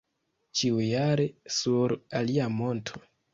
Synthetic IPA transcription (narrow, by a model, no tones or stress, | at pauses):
t͡ʃiujaɾe̞suɾaliamo̞ntʰo̞̥